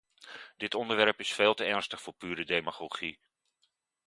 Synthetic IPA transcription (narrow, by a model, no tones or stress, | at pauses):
d̥ɪtɔndəɹʋɛɹpɪsfeːlˠtəɛɹnstəχfʊːɹpyːɾədemaχoχi